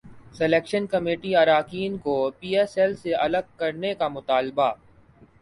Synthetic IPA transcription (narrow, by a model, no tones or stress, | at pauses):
sɛleːkʃənkɐmeːʈiɐɾaːkiːnkopiːɛːsɛlseɐləɡ̚kɐɾnekamʊt̪aːlba